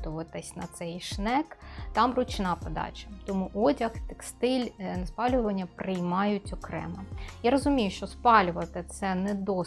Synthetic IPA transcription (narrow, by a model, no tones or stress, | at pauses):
t̪ʊʋɐt̪ɪsʲnɐt̪sɛjʃnɛkt̪ɑmrʊt͡ʃnɑpɔd̪ɑ̰t͡ʃʲɐt̪ɔmuʔɔdʲɐxt̪ɛkst̪ɪlʲnɐspɑlʲʊʋɐnʲːɐpɾɪjmɑjʊtʲɔkɾɛ̰mɐjaɾɔzʊmʲijʊʃt͡ʃɔspɑlʲʊʋɐt̪ɪt̪sɛnɛd̪ɔ